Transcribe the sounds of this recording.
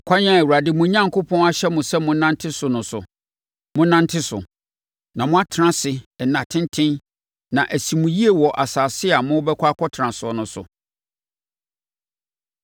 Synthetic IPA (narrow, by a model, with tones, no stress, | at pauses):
kʷʰa˦ɲã˦˨u˨a˨dɪ˦mʊ̃˦ɲã˦ŋkʰʊ˦pʰɔ̃˦na˦ɕɛ˦mʊ̃˨sɛ˦mʊ̃˦nã˦n˦tʰɪ˦sʊ˨nʊ̃˨sʊ˨ | mʊ̃˦nã˦n˦tʰɪ˦sʊ̰˨ | nã˨mʊ̃˦a˦tʰɪ˨˦ã˨sɪ˨ɛ˨nːã˨tʰɪ̃˦n˦tʰɪ̃˦n | nã˨ʔæ˨si˨mũ˨ji˦e˨wɔ˨ʔa˨saː˨sɪ˦a˨mʊ̃˦bɛ˦kʷʰa˦kʰɔ˦tʰɾã˨sʊ˨ɔ˨nʊ̃˨sʊ̰˨